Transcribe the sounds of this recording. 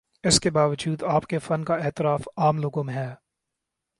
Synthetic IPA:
ɪskebaːʋəd͡ʒuːd̪aːpkefɐnkaɪɦt̪ɪɾaːfaːmloːɡõmẽɦɛː

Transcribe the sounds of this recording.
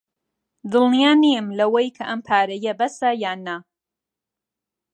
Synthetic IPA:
d̪ɨlnijaːniɨmlɐwɐjkʰɐʔɐmpʰaːɾɐjɐbɐsɐjaːna

